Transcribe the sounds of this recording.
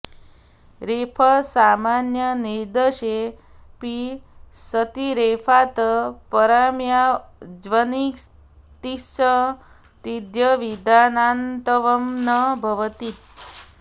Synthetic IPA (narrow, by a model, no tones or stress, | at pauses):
ɾepʰəsamanjəniɾd̪əʃe | pisət̪iɾepʰat̪əpəɾamjad͡ʒʋənik | t̪isə | t̪id̪jəʋid̪anant̪əʋəmnəbʱəʋət̪i